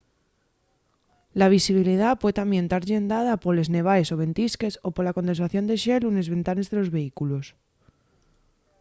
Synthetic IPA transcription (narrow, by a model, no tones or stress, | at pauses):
laβ̞isiβ̞ilið̞apwet̪ambje̞nt̪aɾʎe̞nd̪aðapole̞zne̞βaeso̞β̞e̞nt̪iske̞so̞poɾlakont̪e̞nsaθjo̞nd̪e̞ʃe̞lune̞zβe̞nt̪ane̞zðe̞lo̞zβe̞ikulo̞s